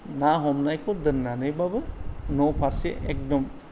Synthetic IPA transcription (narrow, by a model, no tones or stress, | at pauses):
naɦɔmnajkʰɔdɯnːanɯjbabɯnɔpʰaɾsiʔḛk̚dɔm